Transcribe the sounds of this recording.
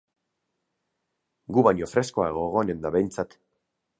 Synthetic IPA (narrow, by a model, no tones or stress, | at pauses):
ɡuβaɲo̞fɾe̞skoaeɣ̞o̞eɣ̞o̞ene̞nd̪aβe̞jnt͡sat̪